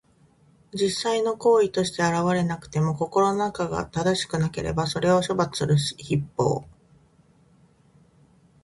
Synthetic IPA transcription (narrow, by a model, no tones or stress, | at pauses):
d͡ʑisːaino̞ko̞ːit̪o̞ɕi̥t̪e̞aɾaβaɾe̞nakɯ̟̥t̪e̞mo̞ko̞ko̞ɾo̞nonakaɡa̰t̪ad̪aɕi̥kɯ̟nake̞ɾe̞̰baso̞ɾe̞o̞ɕo̞bat͡sɨ̥sɨɾɯ̟ɕi̥çipːo̞̰ː